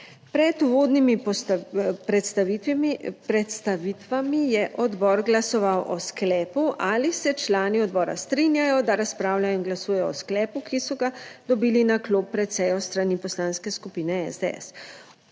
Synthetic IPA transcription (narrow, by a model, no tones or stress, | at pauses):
pɾɛt̪uʋoːd̪nimip̪ | pɾɛt̪st̪aʋiipɾɛt̪st̪aʋit̪ʋamijɛʔɔd̪bɔɾɡlasɔʋawʔɔsklɛːpuʔalisɛt͡ʃlaːniɔd̪̚bɔːɾa̰st̪ɾinjajɔd̪aɾaspɾaːwlajɔinɡlasuːjɛjɔɔsklɛːpukisɔɡad̪ɔbiːlinakloːpːɾɛt̪sɛjɔst̪ɾanipɔslaːnskɛskupiːnɛɛ̰zd̪eɛ̰s